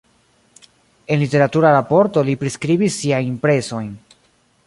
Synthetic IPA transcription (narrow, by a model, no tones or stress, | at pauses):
e̞nlite̞ɾatuɾaɾapo̞ɾto̞lipɾiskɾibisːiajimpɾe̞so̞jn